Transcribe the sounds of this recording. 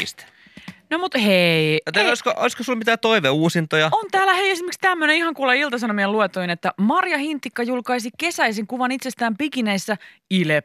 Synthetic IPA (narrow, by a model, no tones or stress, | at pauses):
st̪ | nomut̪heiot̪eoiskoʔo̰iskosulmit̪æːt̪oiʋeuːsint̪ojɑont̪æːlːæheiesimekst̪æmːønenihɑŋkulɑilt̪ɑs̬ɑnomieluet̪ːoinet̪ːæmɑrjɑhint̪ːikːɑjulkɑisike̞sæiseŋkuʋɑnit̪sest̪æːmpikineisːæilep